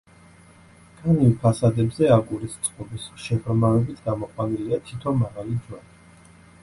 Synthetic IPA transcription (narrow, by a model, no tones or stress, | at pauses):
ɡ̥ʰanimpʰasad̪ɛbzɛakʼuɾist̪sʼqʼɔbisʃɛʁɾmavɛbit̪ʰɡamɔqʼwaniliat̪ʰit̪ʰɔnmaʁalid̪d͡ʒwaɾi